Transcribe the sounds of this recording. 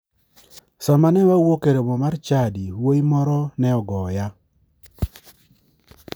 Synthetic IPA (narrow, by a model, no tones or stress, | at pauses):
samanɛwawokeɾomomart͡ʃadiwoimɔɾɔnɛɔɡɔja